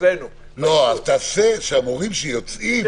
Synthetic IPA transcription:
en | loat̪aseʃeamoʁimʃejot͡sim

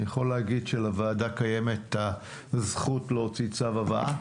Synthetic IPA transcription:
jeχo̞leaɡid̪ʃelavaːdakaje̞me̞t̪a | zχutleot͡sit͡savavaa̰

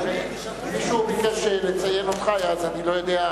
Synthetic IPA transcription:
e | miʃuːmikaʃelet͡sajenot̪χajaːzanilojod̪ea

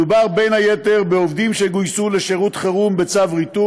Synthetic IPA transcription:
ubaʁbe̞jnhajeteʁbeovd̪imʃeɡujsuleʃeʁut̪χeʁumbet͡savʁit̪u

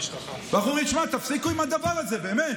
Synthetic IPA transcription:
baχuʁiʃmat̪afsikuimad̪abaʁalze̞be̞ːmet̪

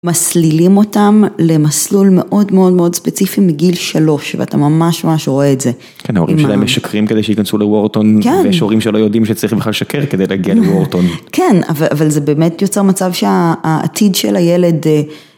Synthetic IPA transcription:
maslilimo̞tamle̞maslulme̞ʔo̞dmeo̞dmeo̞dspet͡sifimiɡilʃalo̞ʃvḛatamamaʃmamaʃʁo̞eːtze | kenaoʁimʃdaemeʃakʁimked̪ejʃikansulewoʁtonkenjeʃoʁimʃelo̞jo̞dimʃet͡saʁiχbeχlalʃakeʁkedejleaɡialewoʁtonkena̰vaʔavalze̞be̞ːmetjot͡seʁmat͡savʃea̰ːtʰidʃḛlajele̞d

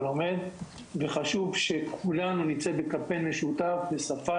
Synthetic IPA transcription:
lo̞me̞d̪ | ve̞χaʃuvʃe̞kʰulanunit͡sebekapenmeʃut̪afbesafa

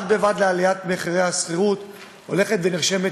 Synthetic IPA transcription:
t̪̚bevad̪lealijat̪meχiʁejhasχiʁut̪ | o̞le̞χet̪veniʁʃe̞me

